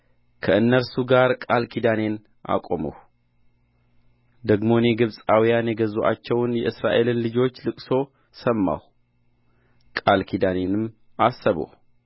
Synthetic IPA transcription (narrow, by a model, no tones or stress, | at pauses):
kʰɐʔɨnːəɾsuɡaɾkʼalkʰid̪ane̞n | ʔa̰kʼo̰mṵw | d̪əɡmo̞njeɡɨβsʼawijanjɛɡɐzuʔa̰t͡ʃːɛwnjɛʔɨsɾa̰ʔe̞lɨnlɨd͡ʒo̞t͡ʃːlɨkʼso̞ | sɐmːa̰w | kʼalkʰid̪anenɨm | ʔasəβo̰